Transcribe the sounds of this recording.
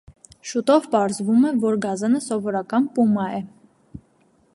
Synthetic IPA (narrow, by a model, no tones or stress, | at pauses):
ʃut̪ɔvpɑɾzvumɛvɔɾɡɑzɑnəsɔvɔɾɑkɑnpumɑɛ